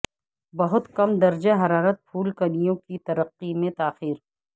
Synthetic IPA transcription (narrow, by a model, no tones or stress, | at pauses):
bɐɦʊt̪kɐmd̪ɐɾd͡ʒeɦɐɾaːɾət̪̚pʰuːlkɐnijõkit̪ɐɾəqːimẽt̪aːxiːɾ